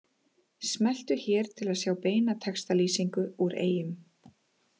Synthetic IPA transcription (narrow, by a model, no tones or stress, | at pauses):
smɛl̥t̪ʏçɛːɾ̥t̪ʰɪlaðsjaːwpeːjnat̪ʰɛkst̪aliːsiŋkʏuɾḛːjɪm